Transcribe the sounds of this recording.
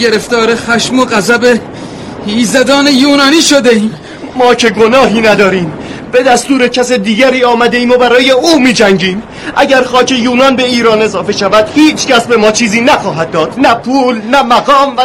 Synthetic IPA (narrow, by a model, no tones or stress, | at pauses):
eɾeft̪ɒːɾexæʃmoɣæzæbe | hiːzæd̪ɒːnejuːnɒːniːʃod̪eiːm | mɒːcʰe̞ɡo̞nɒːɦiːnæd̪ɒːɾiːm | be̞d̪æst̪uːɾecʰæsed̪iːɡæɾiːɒːmæd̪e̞iːmobæɾɒːje̞uːmiːd͡ʒæŋɟiːm | ʔæ̰ɟæɾxɒːcʰe̞juːnɒːnbe̞iːɾɒːne̞zɒːfe̞ʃævæd̪̥hiːt͡ʃʰcæsbe̞mɒːt͡ʃʰiːziːnæxɒːɦæd̪̚ːɒːd̪̥næpʰuːlnæmæɡɒːmvæ